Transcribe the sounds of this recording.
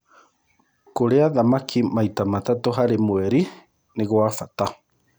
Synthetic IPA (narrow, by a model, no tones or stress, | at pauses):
koɾeaðamakʰimajt̪amat̪at̪oɦaɾemwɛɾi | neɣwafat̪a